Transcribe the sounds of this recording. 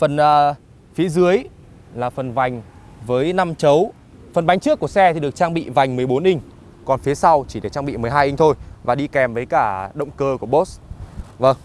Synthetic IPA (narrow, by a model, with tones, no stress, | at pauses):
fə˨˩nʔəː˨˩ | fi˨˦zɨ˨˦əj | laː˨˩fə˨˩nva˨˩jŋ̟ | vəː˨˦jna˧mt͡ɕə˨˦w | fə˨˩nɓa˨˦jŋ̟t͡ɕɨ˦˥əkːu˧˩əsɛ˧t̪ʰi˨˩ɗɨ˨˩ək̚t͡ɕaː˧ŋɓḭ˧˨va˨˩jŋ̟mɨ˨˩əjɓo˨˦nʔi˧ŋ̟ | kɔ˨˩nfi˨˦sa˧wt͡ɕi˧˩ɗe˧˩t͡ɕaː˧ŋɓḭ˧˨mɨ˨˩əjɦaː˧jʔi˧ŋ̟t̪ʰo˧jvaː˨˩ɗi˧kɛ˨˩mvəː˨˦jkaː˧˩ɗə̰˧˨wŋ͡mkəː˧ku˧˩əɓo˦˥tsvə˧˩ŋ